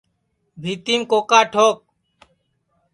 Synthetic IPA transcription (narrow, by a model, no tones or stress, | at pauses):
bʱiːt̪iːmkoːkaːʈʰoːk̚